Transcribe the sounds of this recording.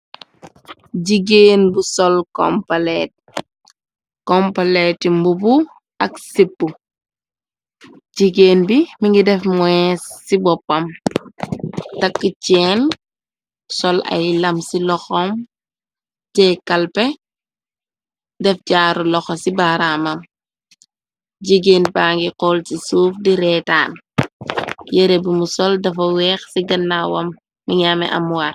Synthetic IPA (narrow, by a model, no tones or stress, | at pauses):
ɟiɡeːnbusɔlkɔ̰mpɐlɛt̚ | kɔmpɐlɛtimbubu | ʔɐksipːu | ɟiɡeːnbimiŋɡidɛfmwɛsːibɔpːɐm | tɐkːicɛːn | sɔlɐ̰jlɐmsilɔxɔm | ɟɛːkɐlpɛ | dɛfɟaːɾulɔxɔsibaɾamɐm | ɟiɡeːnbaːŋɡiqɔːlsisuːfdiɾɛtaːn | jɛɾebimusɔldɐfɐwɛːxsiɡɐnːawɐmː | iɲamɛ̰ʔɐ̰mwar